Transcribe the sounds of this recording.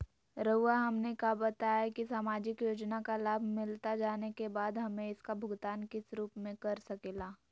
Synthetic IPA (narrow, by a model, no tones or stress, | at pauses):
ɾɐʊaɦɐmnekabɐt̪aːjakisaːmaːd͡ʒɪkjoːd͡ʒnakalaːbʱmɪlt̪ad͡ʒaːnekebaːd̪ɦɐmẽɪskabʱʊɡt̪aːnkɪsɾuːpmẽkɐɾsɐkeːlaː